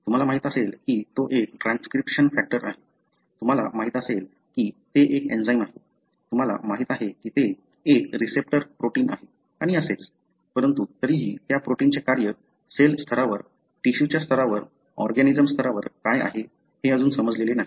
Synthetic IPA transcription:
t̪um̤alamaɦit̪əselkiːt̪oʔek̚ʈɾanskɾipʂənfæk̚ʈəɾʔaɦe | t̪um̤ala̰maɦiːt̪əsel | kiːt̪eʔekḛnd͡zaimaɦe | t̪um̤ala̰maɦiːt̪aɦekiːt̪eː | kɾisep̚ʈəɾpɾoʈiːna̰ɦe | aɽ̃iəset͡s | pəɾənt̪ut̪əɾiɦiːt̪japɾoʈiːnt͡ɕekaɾjə | selst̪ʰəɾaʋəɾ | ʈiɕut͡ɕjast̪ʰəɾaʋəɾ | ɔɾɡanid͡zəmst̪ʰəɾaʋəɾkaja̰ɦe | heəd͡zuːnsəməd͡zlelenaɦi

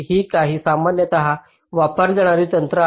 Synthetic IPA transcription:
ɦiːkaɦiːsamanjət̪əɦa | ʋapəɾd͡zeɽ̃aɾiːt̪ənt̪ɾə

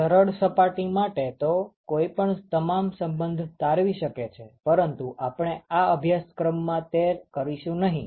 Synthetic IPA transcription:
əɾəɽsəpaʈimaʈet̪okoipəɳt̪əmamsəmbənd̪ʱt̪aɾʋiʃəket͡ʃʰepəɾənt̪uʔapɳ̃eaəbʱjaskɾəmːãt̪eɾkəɾiʃũnəɦḭ̃

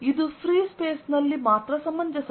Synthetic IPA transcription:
id̪uspɾiːspeːsnɐlːimaːt̪ɾɐsɐmːɐnd͡ʒɐsɐ

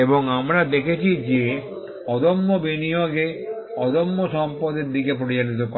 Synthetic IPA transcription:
eboŋamɾad̪ekʰet͡ɕʰid͡ʑe | ɔd̪omːobinijoɡe | ɔd̪omːoʃɔmpod̪eɾd̪ikepɾoɾit͡ɕanit̪okɔ

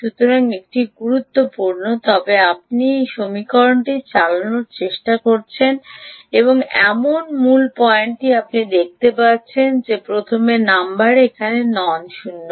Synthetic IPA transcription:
ʃut̪oɾaŋek̚ʈiɡuɾut̪ːopuɾnot̪ɔbeap̚niʃomikɔɾoɳʈit͡ɕalanoɾt͡ɕeʃʈakoɾt͡ɕʰeneboŋɛ̰monmulpɔjeɳʈiap̚nid̪ek̚t̪epatːt͡ɕʰend͡ʑepɾot̪ʰomenambaɾekʰanenɔnʃunːo

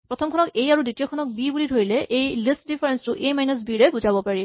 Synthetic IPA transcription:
pɹɔtʰɔmkʰɔnɔkejaɹuditijɔkʰɔnɔk̚bibulidʱoɹilɛʔejlist̚dipʰaɹɛnstuʔejmajnɔs̬biɹɛbuzabɔpaɹi

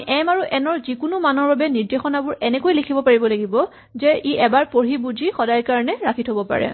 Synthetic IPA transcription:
ɛmaɹuʔɛnɔɹzikʊnʊmanɔɹbabɛniɹdexɔnabʊɹɛnɛkojlekʰibɔpaɹibɔlaɡibɔ | zɛiʔɛbaɹpoɹibud͡ʒixɔdajkaɹɔnɛɹakʰitʰobɔpa̰ɹɛ̰

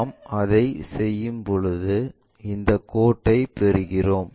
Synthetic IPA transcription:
mɐðɐɪsɛjːɯmpɔɻɯðɯ | ɪnd̪ɐkːoːʈːɐɪpɛɾɯɣɪroːm

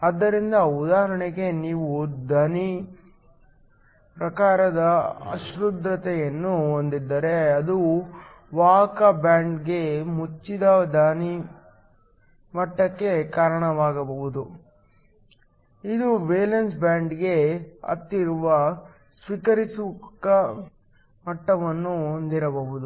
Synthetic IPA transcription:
ɐd̪ːɐɾind̪ɐud̪aːɦɐɾɐɳeɡe̞niːʋud̪ɐni | pɾɐkaːɾɐd̪ɐɐ̰ʃɾud̪ɾɐt̪ɛjɐnːuond̪id̪ːɐɾe̞ɐd̪u | ʋaːkɐbjaːɳɖɡe̞mut͡ʃːid̪ɐd̪ɐni | mɐʈːɐkːe̞kaːɾɐɳɐʋaːɡɐbɐɦud̪u | id̪ubeːlɐnsbjaːɳɖɡe̞ɐ̰t̪ːiɾuʋɐ | sʋikɐɾisukɐ | mɐʈːɐʋɐnːuond̪iɾɐbɐɦud̪u

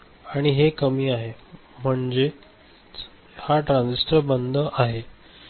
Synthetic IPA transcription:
aɽ̃iɦekəmiːaɦe | m̤əɳd͡ze | haʈɾãnsisʈəbənd̪ʱəʔaɦe

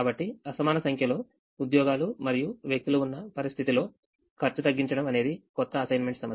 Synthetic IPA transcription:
aːbɐʈːiɐsɐmaːnɐsɐŋkʰjɐlo̞ː | ud̪jɔːɡaːlumɐɾijuʋjɐk̚t̪uluunːɐpɐɾist̪ʰit̪ilo̞ː | kʰɐɾt͡ʃut̪ɐɡːiɲt͡ʃɐɽɐmɐne̞ːd̪ikɔt̪ːɐːsɐjnme̞ɳʈsɐm

